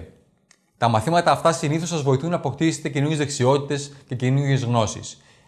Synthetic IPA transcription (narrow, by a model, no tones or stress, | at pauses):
t̪ɐmɐθimɐt̪ɐːft̪ɐsiniθosɐzvo̞iθunːɐːpo̞kt̪iset̪ecinuɾʝezðeksio̞t̪it̪e̞sce̞cinuɾʝe̞zɣno̞sḭs